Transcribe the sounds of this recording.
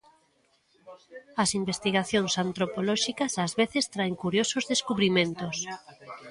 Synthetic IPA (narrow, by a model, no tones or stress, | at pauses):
ɐsimbest̪iɣ̞aθjoŋsant̪ɾopolɔʃikɐsazβeθest̪ɾaeŋkuɾjosozðeskuβɾimẽnt̪os